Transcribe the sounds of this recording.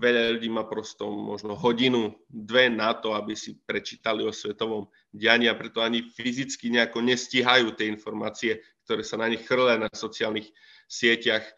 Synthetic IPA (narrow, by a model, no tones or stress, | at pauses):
ʋɛʎaʎuɟiːmaːpɾɔst̪ɔmɔ̰ʒnɔɦɔɟinud̪ʋɛnat̪ɔabisipɾɛt͡ʃi̥ːt̪aliɔsʋɛt̪ɔʋɔm | ɟɪaɲiapɾɛt̪ɔaɲifizit͡skiɲɛakɔɲɛsciɦajuːt̪ɪɛinfɔɾmaːt͡siɛk̚t̪ɔɾɛːsanaɲixxr̩lɛnasɔt͡sɪaːlnix | sɪɛcax